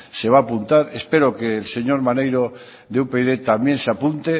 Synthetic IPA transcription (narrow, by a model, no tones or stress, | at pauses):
se̞β̞aːpunt̪aɾespe̞ɾokeːlse̞ɲoɾmanejɾo | ðeupeðet̪amje̞nseapunt̪e